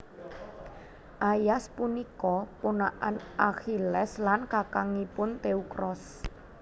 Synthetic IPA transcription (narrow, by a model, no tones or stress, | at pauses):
ʔajaspunikɔponaʔanʔaxilɛslankakaŋipʊnt̪eukɾɔs